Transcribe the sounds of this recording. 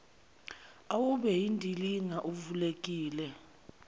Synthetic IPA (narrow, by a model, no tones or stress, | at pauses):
awuɓɛjindʱiliŋaʔuvulek̬ʼiːlɛ